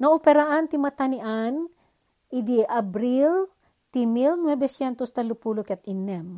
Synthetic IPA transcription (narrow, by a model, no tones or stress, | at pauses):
nɐʔopɛɾaʔant̪ɪmɐt̪ɐnɪʔan | ʔid̪iʔabɾil | t̪imilnwɛbɛsjɛnt̪ost̪ɐlʊpulokɛt̪̚inɛm